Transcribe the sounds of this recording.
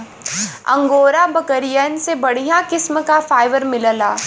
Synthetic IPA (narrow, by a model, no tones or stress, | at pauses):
ɐ̰̃ŋɡoːɾabɐkəɾijənsebɐɽ̤ijãkɪsmkafaːɪʋəɾmɪləlaː